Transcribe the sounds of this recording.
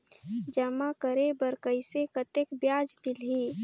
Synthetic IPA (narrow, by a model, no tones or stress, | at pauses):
d͡ʒəmakəɾebəɾkəɪsekət̪ekbjaːd͡ʒmɪlɦi